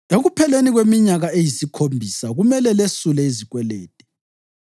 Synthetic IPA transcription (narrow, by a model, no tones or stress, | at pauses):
eɣupʰɛleniɣwemiɲaɣaejisikʰombʱisaɣumɛlɛlesulɛiziɣwɛlḛːtʼɛ̥